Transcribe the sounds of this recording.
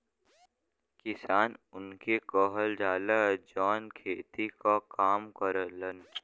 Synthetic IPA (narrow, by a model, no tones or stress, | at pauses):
kɪsaːnʊnkekɔɦəld͡ʒaːlad͡ʒɔːnkʰeːt̪ikakaːmkəɾələn